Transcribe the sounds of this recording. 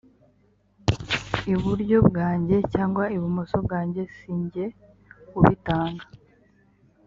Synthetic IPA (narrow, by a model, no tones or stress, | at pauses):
iβuɾɟo̞bɡaːɲɟe̞caːŋɡwaiβumosob̚ɡaːɲɟe̞siːɲɟe̞ | kuβitaːŋɡa